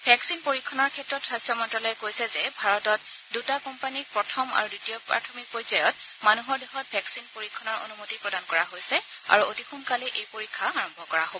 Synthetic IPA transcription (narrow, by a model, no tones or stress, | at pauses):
bʱɛksinpoɹikʰːɔnɔɹkʰɛtɹɔtsɹastɔmɔntɹɔlɔjɛkojsɛzɛbʱaɹɔtɔt | dutakɔmpanipɹɔtʰɔma̰ɹudutijɔpɹa̰tʰɔmik̚pɔɹzajɔt | manuɦɔɹdeɦɔt̚bʱɛksinpoɹikʰːɔnɔɹo̰numotipɹɔdankɔɹaɦojsɛ | a̰ɹuotixunkalɛʔejpoɹikʰːaaɹɔmbʱɔkɔɹaɦobɔɔ